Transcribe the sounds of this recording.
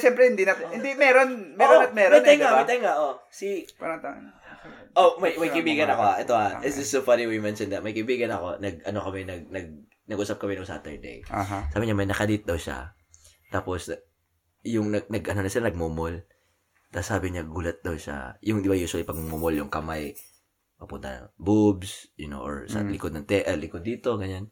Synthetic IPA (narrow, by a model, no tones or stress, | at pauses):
ʃɛmpɾɛhɪnd̪inɐhɪnd̪imɛɾonmɛɾomɛɾmɐjt̪ajŋaɐjt̪ɐjŋaʔosipɐnɐt̪a | ʔomɐjmɐjkɐjbiːɡɐnɐkoaʔɛt̪oaɪsɪsofaniwimɛnʃond̪ɐt̪̚mɐjkɐɪbiːɡɐnɐko̞nɐɡ̚ɐno̞kɐmɛnɐɡ̚nɐɡ̚ | nɐɡʔuːsɐp̚kɐmɛnʊŋsa̰ːt̪ɛ̰ɹd̪ɛ̰jɦsaːbɪɲamɐjnɐkɐlit̪̚d̪ɐwʃa̰ | t̪aːpo̞s | jʊŋnɐɡnɐɡʔɐnonɐsɪlanɐɡ̚mumol | t̪ɐsaːbɪɲaɡuːlɐt̪̚d̪ɐwʃa̰jʊŋd̪ɪbajuːswɐlipɐɡ̚mmumoljʊŋkɐmaj | pɐpʊnt̪ɐ̰nɐ̰ŋbubsjʊno̰ʔo̰ɹsɐ̰lɪkod̪nɐŋt̪ɛʔɐlɪkod̪ːiːt̪o̞ɡɐɲan